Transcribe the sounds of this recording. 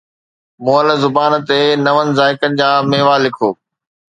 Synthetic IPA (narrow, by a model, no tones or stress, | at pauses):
moːəlzʊbaːnt̪enɐʋənɪ̆zaːɪkənɪ̆d͡ʑãːmeːʋaːlɪkʰoː